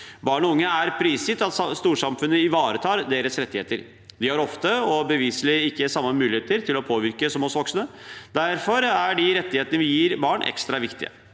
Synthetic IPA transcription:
bɑːɳɔʊŋːəæɾpʰɾiːsɪt̪ɑt̪st̪uːʂɑmfʉnːəɪʋɑːɾət̪ʰɑːɾd̪eːɾəsɾɛt̪ːɪheːt̪əɾ | d̪ɪhɑɾɔft̪əɔbəʋiːsəlɪɪkːəsɑmːəmʉːlɪheːt̪əɾt̪ʰɪlɔpʰoːʋɪɾkəsɔmɔsʋɔksnəd̪æɾfɔɾæɖɪɾɛt̪ːɪheːt̪ənəʋɪjiːɾbɑːɳʔɛ̰kst̪ɾɑʋɪkt̪ɪ̰ə̰

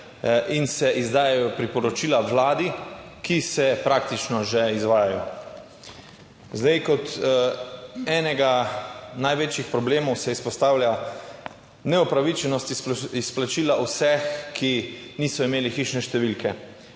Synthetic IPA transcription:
ʔinsɛʔizd̪aːjajɔpɾipɔɾɔt͡ʃiːlaʋlaːd̪ikisɛpɾaːk̚t̪it͡ʃnɔʒɛizʋaːjajɔ | zd̪ɛjkɔt̪ | ɛːnɛɡanajʋeːt͡ʃjixpɾɔbleːmɔwsɛispɔst̪aːwlʲja | nɛupɾaʋit͡ʃɛnɔst̪isplat͡ʃiːlaʔusɛxkʰiniːsɔimeːlixiːʃnɛʃt̪ɛʋilkɛ

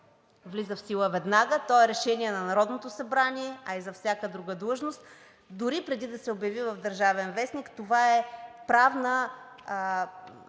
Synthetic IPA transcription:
vlizəfsilˠəvɛd̪naɡət̪ɔɛɾɛʃɛniɛnɐnɐɾɔd̪not̪osɐbɾanʲiɛɐizɐfsʲjakəd̪ɾuɡəd̪lˠəʒnost̪ | d̪ʊɾipɾɛd̪id̪ɐsɛobjɐvivɐvd̪əɾʒavɛnvɛsnikt̪ovaɛpɾavnə

